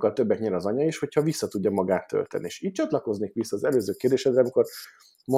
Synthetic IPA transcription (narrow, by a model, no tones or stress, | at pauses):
kːɒlt̪ø̞bːɛkɲɛɾɒzɒɲɒiʃho̞cʰhɒvisːɒt̪uɟːɒmɒɡaːt̪ːø̰lt̪ɛ̰nieːʃiːc̚t͡ʃɒt̪lɒko̞zneːkʋisːɒːzɛløːzøːkeːrd̪eːʃɛd̪ɾɛɒmiko̞r | mo